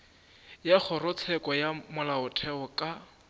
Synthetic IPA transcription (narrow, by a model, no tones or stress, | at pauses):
jaχʊrʊt͡sʰɛkʼɔjamʊlaʊtʰɛʊkʼa